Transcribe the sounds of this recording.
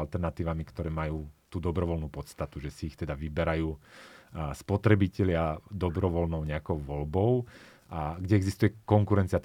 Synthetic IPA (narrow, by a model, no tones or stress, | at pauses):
alt̪ɛɾnat̪iːʋamikt̪ɔɾɛːmajuːt̪uːd̪ɔbɾɔʋɔlnuːpɔt̪st̪at̪uʒɛsiːxt̪ɛd̪aʋibɛɾajuː | spɔt̪ɾɛbicɛlɪad̪ɔbɾɔʋɔlnɔʊɲɛakɔʊʋɔlbɔʊ | aɡɟɛɛɡzist̪ujɛkɔŋkuɾɛnt͡siat̪